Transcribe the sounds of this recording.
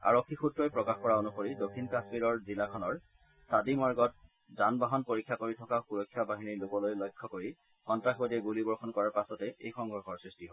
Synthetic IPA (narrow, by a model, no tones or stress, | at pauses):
a̰ɹokʰːixutɹɔjpɹɔkaxkɔɹaonuxoɹidokʰːinkasmiɹɔɹzilakʰɔnɔɹ | sadimɔɹɡɔt̚ | zanbaɦɔnpoɹikʰːakoɹitʰɔkaxuɹɔjkʰːjabaɦiniɹlʊkɔlojlojkʰːɔkoɹi | xɔntɹaxbodiɛɡulibɔɹxɔnkɔɹaɹpasɔtɛejxɔŋɡʱɔɹxɔɹsɹistiɦo